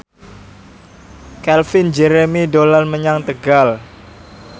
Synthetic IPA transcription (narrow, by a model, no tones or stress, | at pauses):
kɛlfɪnd͡ʒeɾemidolanməɲaŋt̪əɡal